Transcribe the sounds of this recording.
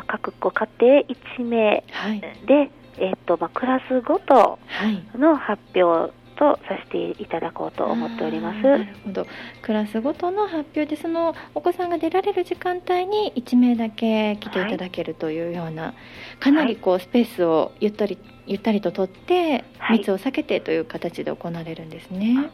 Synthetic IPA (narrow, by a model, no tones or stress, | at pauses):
kakɯ̟̥kːokat̪e̞ːʔit͡ɕime̞ːhaid̪e̞ː | t̪ːomakɯ̟ɾasɨɡo̞t̪o̰haino̞hapʲjo̞ː | t̪o̞saɕe̥t̪e̞̰it̪ad̪ako̞̰ːt̪o̞̰ʔo̰mo̞t̪ːe̞o̞ɾʲimasɨhod̪o̞kɯ̟ɾasɨɡo̞t̪o̞no̞ɦapʲjo̞ːd̪e̞so̞no̞ːko̞sãŋɡad̪e̞ɾaɾe̞ɾɯ̟ʑikãnt̪aiɲ̟iit͡ɕime̞ːd̪ake̞kʲi̥t̪e̞it̪ad̪ake̞ɾɯ̟t̪o̞jɯ̟ːjo̞ːna̰ | kanaɾʲiko̞ːsɨ̥pe̞ːsɨo̞jɯ̟t̪ːaɾʲi | jɯ̟t̪ːaɾʲit̪o̞t̪o̞t̪ːe̞hmʲit͡sɨo̞sake̞t̪et̪o̞jɯ̟ːkat̪at͡ɕid̪e̞̰o̞̰ko̞naɾe̞ɾɯ̟̃nd̪e̞sɨne̞